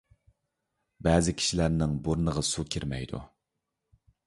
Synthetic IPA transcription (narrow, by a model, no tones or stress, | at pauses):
bɛːzɪkʲʰi̥ʃilæɾnɪŋbuɾnəʁɑsukʲʰiɾmɛ̰jd̪ṵ